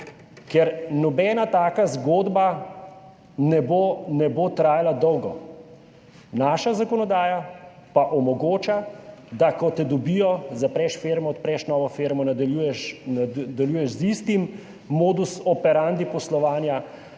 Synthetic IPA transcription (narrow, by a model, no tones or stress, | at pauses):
kɛɾnɔbɛːnat̪aːkazɡoːd̪ba | nɛbonɛboːt̪ɾaːjalad̪ɔwɡɔ | naːʃazakɔnɔd̪aːjapaʔɔmɔɡoːt͡ʃad̪akɔt̪ɛd̪ɔbijɔzapɾɛʃfeɾmɔːt̪̚pɾɛʃnɔːʋɔfeːɾmɔnad̪aujɛʃd̪aljuːjɛʃzist̪imː | oːd̪usɔpɛɾand̪ipɔslɔʋaːnja